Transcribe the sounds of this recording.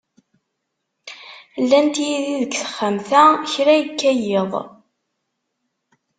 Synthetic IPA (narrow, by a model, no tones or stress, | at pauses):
lːænt̪jiðiðəkθə̥χːəmθæçɾæjəkːæjeðˤ